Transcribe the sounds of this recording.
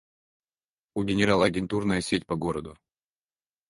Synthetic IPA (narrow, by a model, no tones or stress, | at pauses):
uɡʲɪnʲɪɾalˠɐɡʲɪnt̪urnəjəsʲetʲpɐɡoɾəd̪ʊ